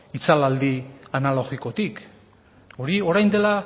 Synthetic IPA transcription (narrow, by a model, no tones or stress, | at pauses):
it͡salald̪ianalo̞ɣiko̞t̪ik | o̞ɾio̞ɾajnd̪e̞la